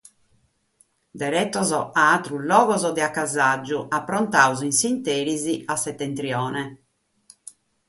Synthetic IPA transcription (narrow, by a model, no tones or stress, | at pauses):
d̪ɛɾɛt̪ːɔzɔʔaat̪ɾulːɔːɣɔzɔd̪ɛakːazad͡ʒːuʔapːɾɔnt̪auzinsint̪eːɾiziasɛt̪ːɛnt̪ɾjɔːnɛ